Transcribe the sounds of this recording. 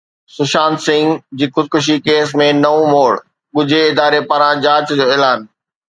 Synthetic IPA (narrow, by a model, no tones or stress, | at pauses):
sʊʃaːnsɪ̃ŋɡd͡ʑiːxʊd̪̚kʊʃ̬ikeːsmẽnɐʋõmoːɽ | ɠʊd͡ʑʱeɪd̪aːɾepɐɾãd͡ʑaːt͡ɕd͡ʑoːeːlaːn